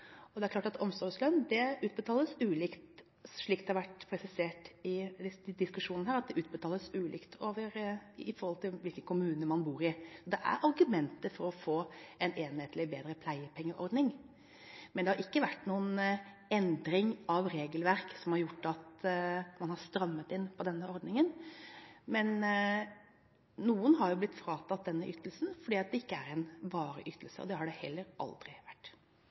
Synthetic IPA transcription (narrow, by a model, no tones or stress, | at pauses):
ɔd̪ɛæɾkʰlɑːʈɑt̪ʰɔmsɔslœnd̪ɛʉːt̪̚bət̪ʰɑːləsʉːlɪkt̪ | ʂɭiːkd̪ɛhɑɾʋæʈːpʰɾɛsɪseːʈɪd̪ɪskʉʂuːnnəhæːɾɑt̪̚d̪ɛʔʉːt̪̚bət̪ʰɑːləsʉːlʔɪ̰kt̪ʰoːʋəɾɪfɔɾhɔlt̪ʰɪlʋɪlkəkʰʊmʉːnəmɑnbuːɾɪsɔd̪ɛʔæ̰ɾʔɑɾɡʉmɛnt̪əfɔɾɔfoːɛneːnheːt̪lɪbeːd̪ɾəpʰlæɪəpʰɛŋːəɾʔɔ̰ɾd̪nɪŋ | mɛnd̪ɛhɑɾɪkːəʋæʈːnuːən | ɛnd̪ɾɪŋɑʋɾeːɡəlʋæɾksɔmhɑɾjʊʈːɑt̪mɑnhɑɾst̪ɾɑmːət̪ɪnpʰɔd̪ɛnːəɔɾd̪nɪŋən | mɛn | uːənɦɑɾjʊblɪt̪ːfɾɑːt̪ʰɑt̪̚d̪ɛnːəʔʏt̪ːəlsn̩fɔɖiːɑt̪̚d̪ɛɪkːəæɾɛnʋɑːɾə̰ʔʏt̪ːəlsə̰ɔ̰d̪ɛhɑɖɛhɛlːəɾʔɑ̰ld̪ɾɪʋæʈː